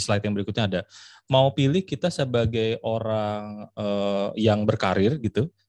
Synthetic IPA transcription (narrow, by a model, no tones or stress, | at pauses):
slaɪt̪jaŋbəɾikʊt̪ɲaːda | maupilɪhkit̪asəbaɡajʔoɾaŋəjaŋbərkaɾɪrɡit̪u